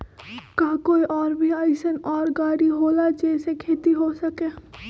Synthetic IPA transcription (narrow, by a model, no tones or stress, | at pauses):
kaːkoːiʔɔːɾbʱiaːɪsənɔːɾɡaːɽiɦoːlad͡ʒeːsekʰeːt̪iɦosɐkeː